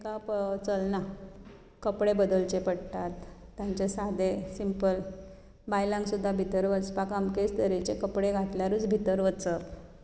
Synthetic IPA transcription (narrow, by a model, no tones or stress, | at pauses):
kapt͡səlna | kəpɽebəd̪əlt͡ɕepəɽt̪at̪ːjaɲt͡ɕesad̪esimpəl | bajlãŋɡksud̪ʱːabʱit̪əɾʋət͡spakamkest̪əɾit͡ɕekəpɽeɡʱat̪ljaɾuːt͡sbʱit̪əɾʋət͡sə